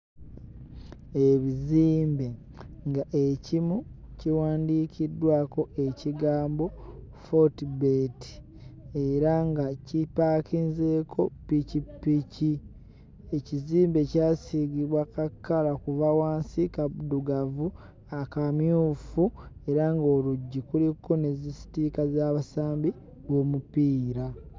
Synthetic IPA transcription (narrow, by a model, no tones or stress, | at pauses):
eβiziːmbe̞ | ŋɡaʔecimuciwaːndiːkʰidːwaːko̞ʔe̞ciɡaːmbo̞ | fotibeti̥ | eɾaŋɡacipaːkinzeːkʰo̞picipːici | e̞ciziːmbe̞caːsiɡiβwakakːalakuvawaːnsikaduɡavu | akamjuːfue̞ɾaŋɡo̞ːluɟːikulikʰːonezisi̥tikazaːβasaːmbi | wo̞mupiːɾa